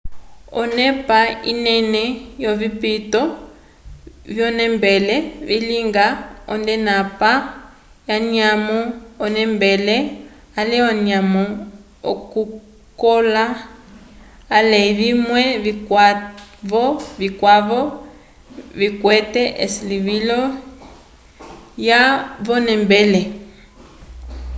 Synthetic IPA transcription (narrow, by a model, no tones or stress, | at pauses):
ɔ̰nɛpainɛnɛjɔβipitɔ | βjɔnɛmbɛlɛβiliŋɡaɔ̰ndɛnapa | jaɲiamɔːnɛmbɛlɛ | alɛɔnamɔ | ɔ̰ku | kɔla | lɛiβimwɛβikwaβɔβikwaβɔ | βikwɛtɛʔesiliβilɔ | jaβɔnɛmbɛlɛ